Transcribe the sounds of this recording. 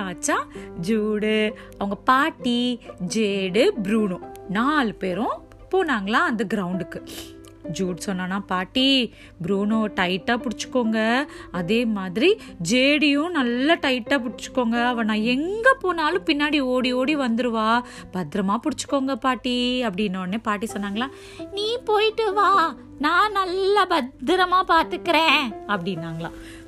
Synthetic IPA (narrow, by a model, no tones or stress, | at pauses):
aːt͡ʃːãːd͡ʒuːɽɯ | ɐʋɐŋɡɐpaːʈːid͡ʒeːɽɯbɾuːnʊ̃naːlpeːɾʊ̃ | poːnaːŋɡɐlãːɐnd̪ɐɡɪɾɐʊɳɖɯkːɯ | d͡ʒuːɽsɔnːaːnaːpaːʈːi | bɾuːnõʈɐɪʈːaːpʊɽɪt͡ʃːɯ̥kːoːŋɡɐɐðeːmaːðɪɾid͡ʒeːɽɪjʊ̃nɐlːɐʈɐɪʈːaːp̬ʊɽɪt͡ʃːɯ̥kːoːŋɡɐɐʋɐ̃nãːɛŋɡɐpoːnaːlʊ̃pɪnːaːɽioːɽioːɽiʋɐnd̪ɯɾɯʋaː | b̥ɐd̪ɪɾɐmaːpʊɽɪt͡ʃːɯ̥kːoːŋɡɐpaːʈːiɐp̬ːɐɽɪnːɐʋɐneːpaːʈːisɔnːaːŋɡɐɭãː | nĩːpoːjʈːɯʋaː | nãːnɐlːɐbɐd̪ɪɾɐmaːpaːɾt̪ɯkːɪɾẽːɐpːɐɽɪnːaːŋɡɐɭã̰ː